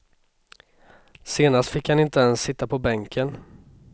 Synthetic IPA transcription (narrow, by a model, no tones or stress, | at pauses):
seːnast̪fɪkhanɪnt̪əɛnsːɪt̪ːapʰɔbɛŋkʰən